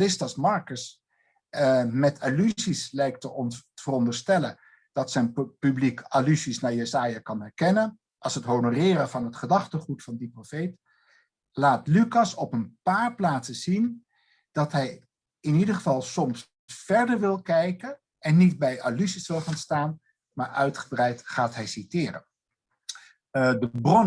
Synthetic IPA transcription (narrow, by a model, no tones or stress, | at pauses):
lɪstɑsmɑɹkəs | mɛtʰalyzislɛjk̚təəvərɔndəɹstɛlən | d̥ɑtsɛjnpyblikalyzisnaːɹjəzaːjakɑnɦɛɹkɛnən | ʔɑlˠsɦətɦownorɪːɾəvɑnɦətχədɑχtəχutfɑndiprofejt | laːtlykɑsɔpənpaːɹplaːtsəz̥in | d̥ɑtɦɛj | ɪnidəχəvɑlˠsɔms | fɛɹdəɹʋɪlˠkɛjkən | ʔɛnːitbɛjʔa̰lysisʋɪlˠχaːnstaːn | maːɹœɥtχəbrɛjtχaːtɦɛjsitɪːrə̰ | dəbrɔn